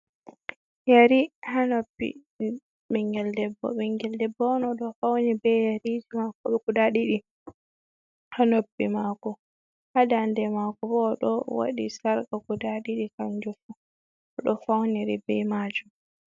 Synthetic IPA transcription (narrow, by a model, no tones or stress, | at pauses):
jaɾihanobːḭ | ɓɛŋɡɛldɛbːɔ̰ɓɛŋɡɛldɛbːɔnɔɗɔfawnibɛjaɾid͡ʒimakɔɓɛkudaɗiɗi | hanobːimakɔ | hadandɛmakɔbɔɗɔ̰wa̰ɗisaɾkakudaɗiɗikand͡ʒufu | ɔɗɔfawniɾibɛmad͡ʒum